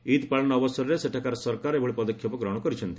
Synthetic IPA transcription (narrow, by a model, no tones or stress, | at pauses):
it̪paɭɔnːbɔsɔɾɾeseʈʰakaɾsɔɾkaɾebʱɔɭipɔd̪ɔkʰjɔpɔkɾɔɽ̃ɔkɔɾit͡ʃʰɔnt̪i̥